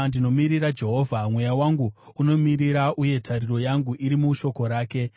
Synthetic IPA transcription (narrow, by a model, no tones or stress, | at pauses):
ndino̞miɾiɾad͡ʒe̞ɦo̞ːvʱamwe̞jawaŋɡuuno̞miɾiɾaʔuje̞tʰaɾiɾo̞jaŋɡuʔiɾimuʃo̞ko̞ɾaːke̞